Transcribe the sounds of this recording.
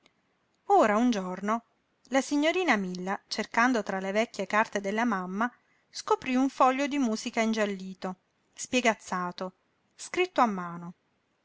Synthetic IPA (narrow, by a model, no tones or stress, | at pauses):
oːɾaund͡ʒorno | lasiɲːoɾiːnamilːat͡ʃerkand̪ot̪ɾalevɛkʲːjekart̪ed̪elːamamːa | skopɾiuɱfɔʎːod̪imuːzikaind͡ʒalːiːt̪o | spjeɡat̪sːaːt̪o | skɾit̪ːoamːaːno